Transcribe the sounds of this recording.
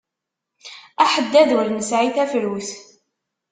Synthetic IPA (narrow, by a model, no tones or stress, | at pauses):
æħəd̪ːæðwəɾnəsʕiθæfɾuθ